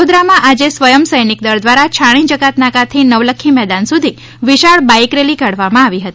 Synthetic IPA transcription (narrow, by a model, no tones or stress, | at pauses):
od̪ɾamãʔad͡ʒesʋəjəmsəjnik̚d̪əɾd̪ʋaɾat͡ʃʰaɽ̃ĩd͡ʒəkat̪nakat̪ʰinəʋləkʰːimɛd̪ansud̪ʱi | ʋiʃaɭbaikɾeliɡaɽʋamãaʋiɦət̪i